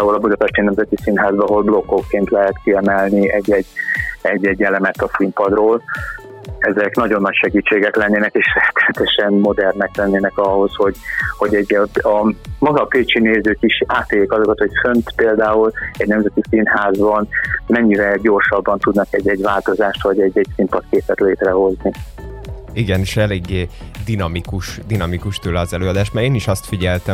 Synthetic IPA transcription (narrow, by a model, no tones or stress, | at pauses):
aːulɒbud̪ɒpɛʃt̪ɛnɛmzɛt̪isinɦaːzbɒɦo̞lblo̞kːokːeːnt̪lɛɦɛt̪kiɛmɛlniɛɟːɛɟːɛɟːɛɟːɛlɛmɛt̪ːɒsimpɒd̪roːl | ɛzɛknɒɟo̞nːɒcʃɛɡiːt͡ʃːeːɡɛklɛnːeːnɛkeːʃrɛt̪ɛt̪ɛʃɛnmo̞d̪ɛrnɛklɛnːeːnɛkɒho̞sho̞ɟho̞ɟɛɟːɒmɒɡɒpeːt͡ʃineːzøːkiʃaːt̪ːeːleːkɒzo̞kɒt̪ho̞cfø̞nt̪peːld̪aːulɛɟnɛmzɛt̪isinhaːzbɒnmɛɲːivɛlɟo̞rʃɒbːɒnt̪ud̪nɒkɛɟːɛɟvaːlt̪o̞zaːʃt̪ʋɒɟɛɟːɛɟsimpɒt̪keːpɛt̪leːt̪rɛho̞zni | iɡɛniʃɛleːɡːeːd̪inɒmikuʃd̪inɒmikuʃt̪øːlɛɒzɛløːɒd̪aːʃmaɾeːniʃɒst̪fiɟɛlt̪ɛ